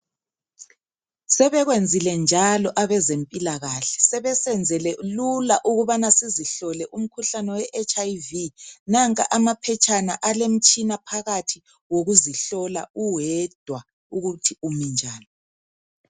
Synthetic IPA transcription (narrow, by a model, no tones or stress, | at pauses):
sɛβɛɣwend͡zʱilɛnd͡ʒʱalɔʔaβɛzempʼilaɣaɬɛ̥sɛβɛsɛnd͡zʱɛlelulaʔuɣuβanasiziɬɔlɛʔum̩kʰuɬanɛwɛʔɛt͡ʃʼajvinaŋkʼaʔamapʰɛt͡ʃʼanaʔalem̩t͡ʃʼinapʰaɣatʰi | woɣuziɬɔla̰uwɛd̥ʱwa | uɣutʰiumind͡ʒʱaːlɔ